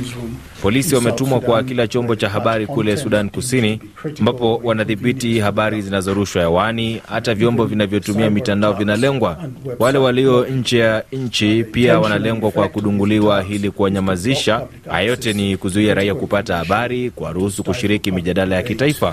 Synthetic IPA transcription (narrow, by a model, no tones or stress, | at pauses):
pɔlisiwamɛtumwakwakilat͡ʃɔmbɔt͡ʃaɦaɓaɾikulɛsuɗankusini | ambapɔwanaθiɓitihaɓaɾizinazɔɾuʃwajawanihatavjɔmbɔvinavjɔtumiamitandaɔvinalɛŋɡwawalɛwaliɔɲ̩t͡ʃɛjaɲ̩t͡ʃipiawanalɛŋɡwakwakuɗuŋɡuliwaɦilikuwaɲamaziʃa | ha̰jɔtɛnikuzuiaɾaiakupatahaɓaɾikwa̰ɾuhusukuʃiɾikimiʄaɗalajakitaifa